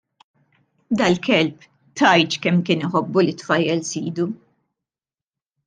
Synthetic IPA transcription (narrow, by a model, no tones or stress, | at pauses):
d̪ɐlkɛlp | t̪ɐjt͡ʃ̪kɛmːkɪːnɪħɔbːulit̪fɐjːɛlsiːd̪u